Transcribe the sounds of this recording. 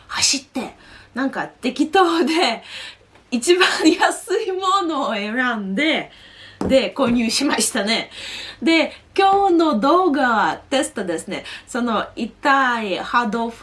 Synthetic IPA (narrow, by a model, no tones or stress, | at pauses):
haɕit̪ːe̞nãŋkat̪e̞kʲit̪o̞ːd̪e̞ | it͡ɕibãɰ̃jasɨimo̞no̞ːe̞ɾãnd̪e̞d̪e̞ko̞ːɲ̟ʲɨːɕimaɕi̥t̪ane̞d̪e̞kʲo̞ːno̞d̪o̞ːɡaβat̪e̞sɨ̥t̪od̪e̞sɨne̞so̞no̞it̪aihad̪o̞ɸ